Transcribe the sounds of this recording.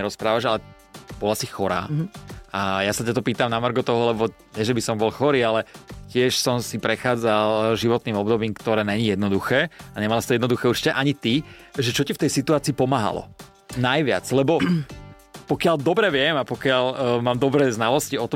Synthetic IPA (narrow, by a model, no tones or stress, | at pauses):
ɛɾɔspɾaːʋaʒalɛ | b̥ɔlasixɔɾa̰ːajasacat̪ɔpiːt̪amnamr̩ɡɔt̪ɔɦɔlɛbɔ | ɲɛʒɛbisɔmbɔlxɔɾiːalɛcɪɛʃsɔmsipɾɛxaːd͡zalʒiʋɔt̪niːmɔbd̪ɔbiːmkt̪ɔɾɛːɲɛɲijɛd̪nɔd̪uxɛːaɲɛmalasit̪ɔjɛd̪nɔd̪uxɛuɾt͡ʃi̥cɛʔaɲit̪iʒɛt͡ʃɔcift̪ɛjsit̪uaːt͡siːpɔmaːɦa̰lɔ̰ | najʋɪa̰t͡slɛbɔ | pɔkɪald̪ɔbɾɛʋɪɛmapɔkɪalmaːmd̪ɔbɾɛːznalɔsciɔt̪ɔ